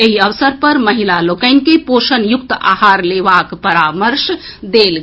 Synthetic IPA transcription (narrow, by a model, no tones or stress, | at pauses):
eɦiəʋsəɾpəɾməɦilalokəɪnkeposənjuk̚t̪a̰haɾleʋakpəɾaməɾʃ | d̪el